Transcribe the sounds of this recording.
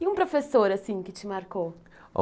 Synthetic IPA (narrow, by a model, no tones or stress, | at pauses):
iũpɾofesoɾasĩkɪt͡ʃɪmaɾko | o̰